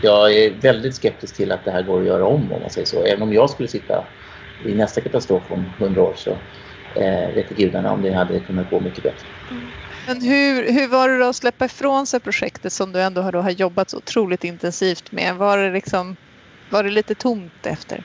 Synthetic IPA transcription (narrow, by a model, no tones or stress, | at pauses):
jɑːɡæɾvɛld̪ɪt̪skɛp̚t̪ɪsk̚t̪ʰɪlat̪̚d̪ɛhæːɾɡoːɾɔjœːɾaɔmːɔ̰mːa̰nsɛjːəʂɔ̰ːɛːvənɔmjɑːɡskɵlːəsɪt̪ʰːa̰ | ɪnɛst̪akʰat̪ast̪ɾoːfɔmhɵnd̪ɾaoːɾʂɔ̰ | veːt̪ɛɡʉ̟ːd̪aɳa̰ɔ̰md̪ɛɦad̪ːəkʰɵnːat̪̚ɡo̰ːmʏkːəbɛt̪ɾə | mɛnɦɵɦɵvaɖɛd̪ɔːslɛpːaɪfɾoːnsɛpʰɾʊɧɛkt̪ət̪sɔmd̪ɵɛnd̪oːɦaɖoːɦajɔbːat̪sɔ̰ʊt̪ʰɾuːlɪt̪ɪnt̪ɛnsiːft̪mɛ̰vaɖɛlɪksɔm | vaɖɛliːt̪ət̪ʰʊmt̪ɛ̰ft̪ə̰ɾ